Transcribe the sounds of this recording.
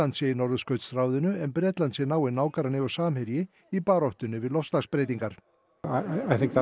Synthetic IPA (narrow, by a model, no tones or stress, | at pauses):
ant̪sɛjɪnɔɾðʏskœɥt̪sɾaːwðʏnʏɛmpɾɛːt̪lansɪnaːwɪnaːwkaɾanɪvasaːmhɛɾjɪ | ipaːɾɔht̪ʏnʏvɪðlɔfst̪aɣspɾejt̪iŋkaɾ̥ | aaajθɪ̃ŋk̚ð